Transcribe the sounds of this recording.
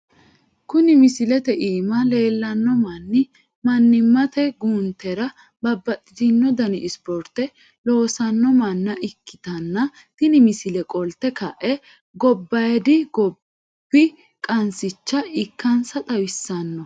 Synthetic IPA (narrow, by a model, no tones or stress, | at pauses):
kʊnɪmɪsɪlɛt̪ɛʔiːmɐle̞ːlːɐnːɔmɐnːɪ | mɐnːɪmːɐt̪ɛɡuːnt̪ːɛɾɐ | bɐbːɐt̪ʼːɪd̪ɪnːɔd̪ɐnɪɪspɔɾt̪ɛ | lo̞ːsɐnːɔmɐnːɐʔɪkːɪ̥t̪ɐnːɐ | t̪ɪnɪmɪsɪlɛkʼɔlt̪ːɛkɐʔɛ | ɡɔbːɐjd̪ɪɡɔ | b̥ːɪ | kʼɐnsɪt͡ʃːɐɪkːɐnsɐt̪ʼɐwɪsːɐnːɔ